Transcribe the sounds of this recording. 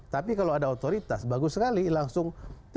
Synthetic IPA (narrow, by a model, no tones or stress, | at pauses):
t̪apikalowadaot̪oɾit̪asbaɡusəkalilaŋsʊŋ